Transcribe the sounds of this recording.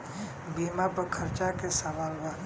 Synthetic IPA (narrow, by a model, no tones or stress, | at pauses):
bimapəkʰəɾt͡ʃakesəʋaːlba